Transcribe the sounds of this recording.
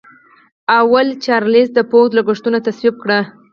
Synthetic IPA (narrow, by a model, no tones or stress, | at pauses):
awalt͡ʃɑɾlisd̪əpod̪laɡʊʂt̪unat̪aswib̚kɽə